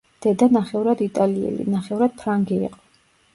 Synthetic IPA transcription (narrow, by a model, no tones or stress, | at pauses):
d̪̥ɛd̪anaχɛuɾad̪it̪ʼaliɛ̰lḭnaχɛuvɾad̪̥̚pʰɾaŋɡɛḭqʼɔ̥